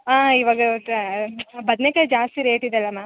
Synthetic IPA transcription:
aːiʋaːɡɐʈ | bɐd̪nekɐd͡ʒaːst̪iɾeːʈid̪ɐlːɐmaː

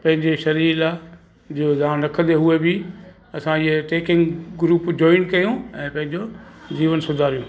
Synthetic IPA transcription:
pɐ̃ɦɪ̃ɲd͡ʑeʃɐɾiːla | d͡ʑozaːɽɾɐkʰə̃d̪eɦuebɪ | ɐsãɪɦeʈeːkɪ̃ŋɡɡɾuːpd͡ʑɔːɪnkɐjũɛ̃ːpɐ̃ɦɪ̃ɲd͡ʑod͡ʑiːʋənsʊd̪ʱaːɾijũː

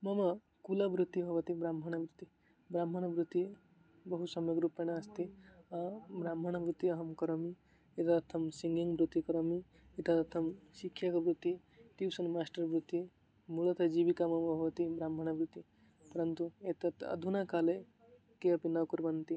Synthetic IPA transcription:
mʌmɐ | kulabɾut̪ːibʱʌʋʌt̪ibɾamɦəñɐbɾut̪i | bɾamɦəɽ̃abɾut̪ːi | bɐɦut̪sɐmjəkɾupːenaast̪ʰi | bɾamʱəɽ̃abɾut̪ːiɐɦəmkɐɾomi | et̪at̪ʰɐmsiŋɡiŋɡbɾut̪ːikɐɾomi | it̪at̪t̪ʰɐmsikʰjakɐbɾut̪ːi | t̪iwsɐnmasʈəɾbɾut̪ːi | mulət̪ʰɐd͡ʒibikamɐmɐbʱʌʋɐt̪ibɾamɦəñabɾut̪i | pɐɾənt̪uet̪ɐt̪ɐ̰d̪ʱunakale | keɐpinɐkuɾbɐnt̪i

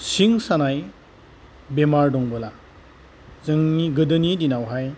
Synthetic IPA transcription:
siŋsanaj | bemaɾdɔŋbɯla | zɯŋniɡɯdɯnidinawɦaj

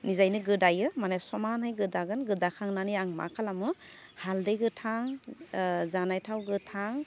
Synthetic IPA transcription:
nizajnɯɡɯdajɯmanesɔmanhajɡɯdaɡɯnɡɯdakʰaŋnaniaŋma̰kʰalamɯ | haldejɡɯtʰaŋ | zanajtʰawɡɯtʰaŋ

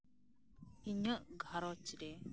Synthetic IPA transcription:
hiɲəʔɡʱaɾɔt͡ʃiɾɛ

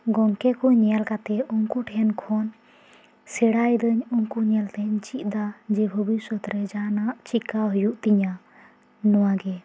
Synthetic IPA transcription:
ɡɔŋkɛkɔɲɛalkat̪ɛɔŋkuʈʰɛnkʰɔn | sɛɽajd̪əɲɔŋkuɲɛlt̪ɛt͡ʃit̪̚d̪ad͡ʒɛbʱəbisɔt̪ɾɛd͡ʒanaʔt͡ʃikaɦɔjuʔt̪iɲa | nɔwaɡɛ

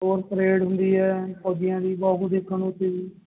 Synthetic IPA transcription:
oːɾpəɾeːɽɦʊnd̪iːɛːpɔːd͡ʒ̪ɪjãːd̪iːbɔːɦud̪ekʰːəɳʊt̪ːiːdiː

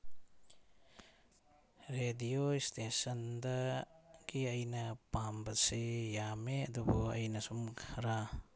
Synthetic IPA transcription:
ɾedijoistʰesɐndɐɡ̥iɐjnɐpambɐsijameɐdubuɐjnɐsumkʰɐɾa

